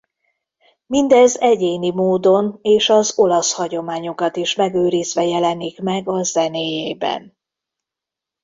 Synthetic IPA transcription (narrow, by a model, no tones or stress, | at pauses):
mind̪ɛzɛɟeːnimoːd̪o̞neːʃɒzo̞lɒshɒɟo̞maːɲo̞kɒt̪iʃmɛɡøːɾizʋɛjɛlɛnikmɛɡɒzɛneːjeːbɛ̰n